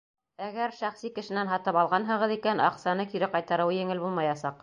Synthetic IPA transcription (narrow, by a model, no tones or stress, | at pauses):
æɡæɾʃæχsikɘ̆ʃɘ̆nænɦɑt̪ɤpɑlˠʁɑnɦɤ̆ʁɤðikænɑ̰qsɑnɤkiɾæqɑjt̪ɑɾɤ̆wɤjɘ̆ŋɘlbulˠmɑjɑsɑq